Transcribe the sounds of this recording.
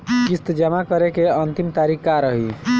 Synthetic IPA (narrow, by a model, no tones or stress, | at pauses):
kist̪d͡ʒəmakəɾekeənt̪imt̪aɾikːaɾəɦi